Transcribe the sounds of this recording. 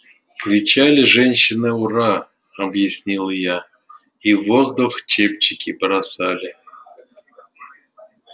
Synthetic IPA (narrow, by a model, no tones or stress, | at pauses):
kɾʲɪt͡ɕalʲɪʐɛnʲɕɪnɨura | ɐbjɪsʲnʲilˠja | ivozd̪uxt͡ɕep̚t͡ɕɪkʲɪpɾɐsalʲɪ